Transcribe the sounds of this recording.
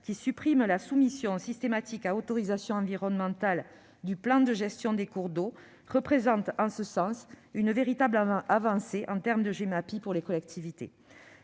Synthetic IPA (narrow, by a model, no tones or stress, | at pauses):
kʲisypχimlasumisjɔ̃sist̪emat̪ikaot̪ɔʁizasjɔ̃ɑ̃viʁɔnəmɑ̃t̪al | d̪yplɑ̃d̪əʒɛst̪jɔ̃d̪ekuʁd̪o | ʁəpχezɑ̃t̪ɑ̃səsɑ̃s | ynveʁit̪ablavɑ̃seʔɑ̃t̪ɛʁməd̪əʒemapipuʁlekɔlɛk̚t̪ʰivit̪ḛ